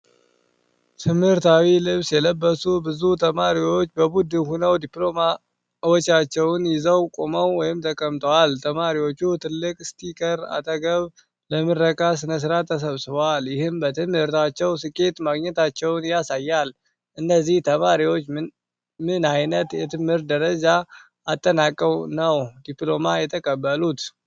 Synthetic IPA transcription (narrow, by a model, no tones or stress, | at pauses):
t̪ʰɨmhɨɾt̪ʰawilɨβsjɛləbːəsubɨzut̪ʰəmaɾiwo̞t͡ʃːbəbud̪ɨnhunəwd̪iplo̞ma | wɔt͡ʃːat͡ʃːɛwnjɪzəwkʼoməwːɔjɪmt̪ʰəkʼəmt̪ʼəwalt̪ʰəmaɾiwo̞t͡ʃːut̪ʰɨlːɨkʼst̪ʰʼikʼəɾa̰t̪ʰəɡəβ | ləmɨrːəkʼasɨnəs̬ɨɾat̪ʰːəs̬əβsɨβaljɪhɨmbət̪ʰɨmhɨɾt̪ʰat͡ʃːɛwsɨkʼe̞t̪maɡɲɛt̪at͡ʃːɛwnjasajːal | ʔɨnːəzːiht̪ʰəmaɾiwo̞t͡ʃː | mɨnajnət̪jɛt̪ʰɨmhɨɾtd̪əɾəd͡ʒaː | t̪ʼːənakʼːəwnəwd̪iplo̞majɛt̪ʰəkʼəbːəlut̪